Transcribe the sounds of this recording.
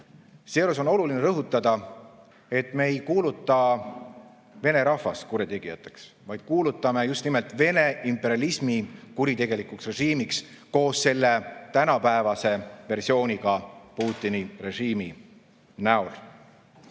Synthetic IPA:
seɾuso̞no̞lulineɾɤɦut̪ːˑɑd̪̥ɑ | e̞t̪ːˑme̞ːjkuːlut̪ːˑɑ | ve̞ne̞ɾɑhvɑskuɾit̪e̞ɡ̥ijɑt̪ːˑe̞̥ks | vɑjd̪̥̚kuːlut̪ːˑɑme̞just̪nimelt̪ˑve̞ne̞impːe̞ɾjɑlismikuɾit̪e̞ɡ̥e̞likuksre̞ʒiːmiks | ko̞ːsːe̞lːe̞t̪ænɑpæevɑse̞ve̞rsio̞ːnʲiɡ̥ɑpuːt̪ˑːinire̞ʒiːmi | næol

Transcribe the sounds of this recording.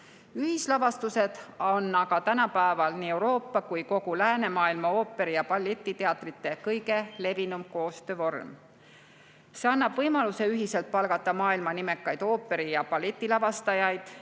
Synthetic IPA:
yhislɑvɑst̪use̞d̪̥ɑnːɑkɑt̪ænɑpæevɑlniːe̞wɾo̞ːpːɑkujko̞ɡ̥ulæːne̞mɑːilmɑo̞ːpːˑe̞ɾijɑpɑlːe̞t̪ːˑit̪e̞ɑt̪ˑrit̪ːˑe̞kɤjɡe̞le̞vinumko̞ːst̪ø̞ːvo̞rm | se̞ɑnːɑb̥vɤjmɑluse̞yɦise̞lt̪̚pɑlɡɑt̪ːˑɑmɑːilmɑnime̞kːˑɑjd̪̥o̞ːpːˑe̞ɾijɑpɑlːet̪ʲːˑilɑvɑst̪ɑjɑjd̪̥

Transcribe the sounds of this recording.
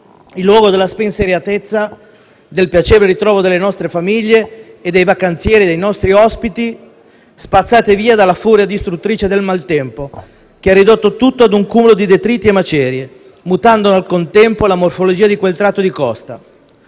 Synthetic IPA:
ilːwɔːɡod̪elːaspenseɾjat̪et̪sːa | d̪elpjat͡ʃɛːɾeɾit̪ɾɔːvod̪elːenɔst̪ɾefamiʎːeː | d̪ːejvakant̪sjɛːɾid̪ejnɔst̪ɾiɔspit̪i | spat̪sːaːt̪eviːad̪alːafuɾjad̪ist̪ɾut̪ːɾiːt͡ʃed̪elmalt̪ɛmpo | k̟earːid̪ot̪ːot̪ut̪ːoad̪uŋkuːmolod̪id̪et̪ɾiːt̪iemːat͡ʃɛːɾje | mut̪and̪onalkont̪ɛmpolamorfolod͡ʒiːad̪ikwelt̪ɾat̪ːod̪ikɔst̪a̰

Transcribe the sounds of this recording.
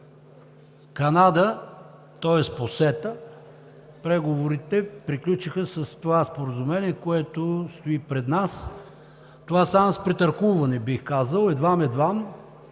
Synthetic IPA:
kɐnad̪ə | t̪ɔɛsposɛt̪ə | pɾɛɡovoɾit̪ɛpɾiklʲut͡ʃixəsɐst̪ovaspoɾəzʊmɛniɛkoɛt̪ost̪oipɾɛd̪nas | t̪ovasamɐspɾɛt̪ɐɾkuvɐnɛbixkazəlˠɛd̪vamɛd̪vam

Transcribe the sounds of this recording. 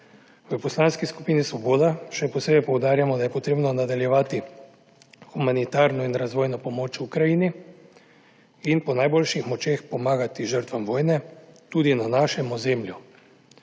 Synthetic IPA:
ʋəpɔslaːnskisku̥piːnisʋɔboːd̪aʃɛpɔseːbɛpɔwd̪aːɾjamɔd̪ajɛpɔt̪ɾeːbnɔnad̪aljɛʋaːt̪i | xumanit̪aːɾnɔinɾazʋoːjnɔpɔmoːt͡ʃukɾajiːni | inpɔnajbolʃixmɔt͡ʃeːxpɔmaːɡat̪iʒəɾt̪ʋamʋoːjnɛt̪uːd̪inanaːʃɛmɔzeːmlju

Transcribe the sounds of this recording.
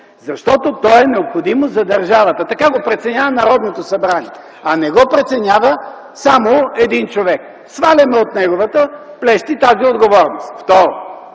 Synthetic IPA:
zɐʃt̪ɔt̪ot̪ɔɛnɛopxod̪imozɐd̪ɐɾʒavɐt̪ət̪ɐkaɡopɾɛt̪sɛnʲavɐnɐɾɔd̪not̪osɐbɾaniɛ | ɐnɛɡɔpɾɛt̪sɛnʲavə | samoɛd̪int͡ʃovɛk | svalʲɛmɛot̪nɛɡovət̪əplɛʃt̪it̪aziod̪ɡovɔɾnost̪ft̪ɔɾo

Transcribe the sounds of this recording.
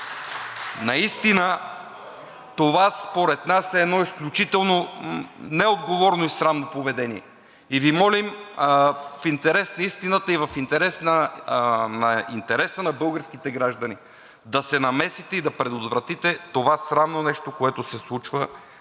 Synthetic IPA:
nɐist̪inə | t̪ovaspoɾɛt̪nasɛɛd̪nɔisklʲut͡ʃit̪ɛlˠno | nɛod̪ɡovɔɾnoisɾavnopovɛd̪ɛniɛ̰ | ivimɔlim | fint̪ɛɾɛsnɐist̪inət̪əivɐfint̪ɛɾɛsnə | nɐḭnt̪ɛɾɛsənɐbɤlˠɡəɾskit̪ɛɡɾaʒd̪ɐni | d̪ɐsɛnɐmɛsit̪ɛid̪ɐpɾɛd̪ot̪vɾɐt̪it̪ɛt̪ovasɾavnonɛʃt̪okoɛt̪osɛslˠut͡ʃvə

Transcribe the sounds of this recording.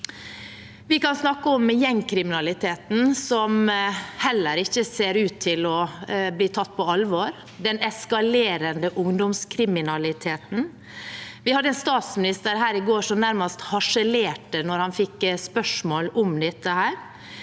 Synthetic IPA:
ʋɪkɑnsnɑkːəɔmjɛŋkʰɾɪmɪnɑlɪt̪ʰeːt̪n̩sɔmhɛlːəɾɪçːəseːɾʉːt̪ʰːɪlɔbliːt̪ʰɑt̪ːpʰɔɑlʋoːɾ | d̪ɛnɛskɑleːɾənd̪əʔʊŋd̪ɔmskʰɾɪmɪnɑlɪt̪ʰeːt̪n̩ | ʋɪhɑd̪ːəɛːnst̪ɑːt̪smɪnɪst̪əɾɦæːɾɪɡoːʂɔmnæɾmɑst̪hɑʂəleːʈənɔɾhɑnfɪkspœʂmoːlɔmd̪ɛt̪ːəhæːɾ

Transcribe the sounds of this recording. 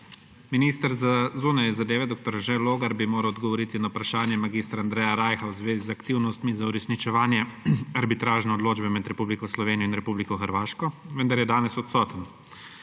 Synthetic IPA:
miniːst̪əɾzazuːnajɛzad̪eːʋɛd̪oːk̚t̪ɔɾʒɛloːɡaɾbimoːɾɐwɔd̪ɡɔʋɔɾiːt̪inawpɾaʃaːnjɛmaɡiːst̪ɾaaːnd̪ɾɛːjaɾaːjxawzʋeːzizakt̪iwnɔst̪mizauɾɛsnit͡ʃɛʋaːnjɛaɾbit̪ɾaːʒnɛɔd̪loːd͡ʒbɛmɛd̪ɾɛpublikɔslɔʋeːniɔinɾɛpublikɔxəɾʋaːʃkɔʋənd̪aɾjɛd̪aːnɛsɔt̪sɔːt̪ən

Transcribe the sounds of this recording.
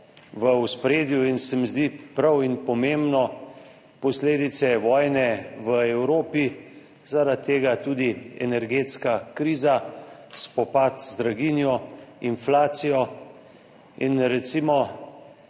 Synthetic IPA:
ʋəuspɾeːd̪juinsɛmizd̪ipɾawinpɔmembnɔ | pɔsleːd̪it̪sɛʋɔːjnɛʋəɛwɾoːpi | zaɾat̪ːeːɡat̪uːd̪iɛ̰nɛɾɡeːt̪skakɾiːzaspɔpat̪zd̪ɾaɡinjɔinflaːt̪sijɔ | inɾɛt̪simɔ

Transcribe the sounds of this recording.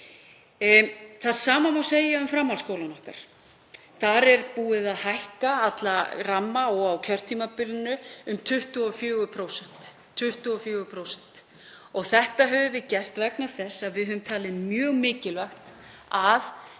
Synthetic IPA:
θaðsaːmamawseːjaʏmfɾamːalskoːwlanɔhka̰ɾ̥ | θaɾɛɾpuːɪðaðhajhkaat̪laramːaɔɣawkʰœr̥t̪ʰiːmapɪlɪnʏʏmt̪ʰʏht̪ʏɔfjœːɣʏpʰɾowsɛn̥t̪ʰː | ʏht̪ʏɔfjœːɣʏpʰɾowsɛn̥t̪ | ɔɣθɛht̪aɦœvʏvɪðcɛr̥t̪vɛknaðθɛsːaðvɪðhɦœðʏmt̪ʰaːlɪðmjœːɣmɪːcɪlvœxt̪ | að

